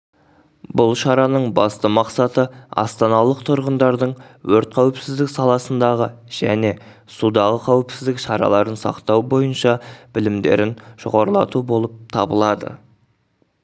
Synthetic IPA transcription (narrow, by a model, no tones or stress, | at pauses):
bʊlˠʃɑɾɑnəɴbɑst̪əmɑqsɑt̪əɑ̰st̪ɑnɑlˠəqt̪ʰʊɾʁənd̪ɑɾd̪əɴwɵɾt̪̚qʰæwɪpsɪzd̪ɪksɑlˠɑsənd̪ɑʁəʒ̥æne̞ | sud̪ɑʁəqʰæwɪpsɪzd̪ɪkʃɑɾɑ̰lˠɑɾənsɑ̰qt̪ɑwbo̞jənʃɑb̥ɪlɪmd̪e̞ɾɪnʒ̥o̰ʁɑɾlˠɑ̰t̪ubo̞lˠəp̚t̪ʰɑbəlˠɑd̪ə̰